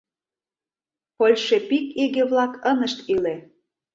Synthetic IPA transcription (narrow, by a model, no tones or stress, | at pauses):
polʲʃepikiɣeβlɑkənəʃt̪ile